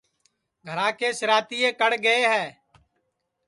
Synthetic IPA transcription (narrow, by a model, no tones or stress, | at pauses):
ɡʱəɾãːkeːsɪɾaːt̪iːeːkəɽɡəeːɦɛː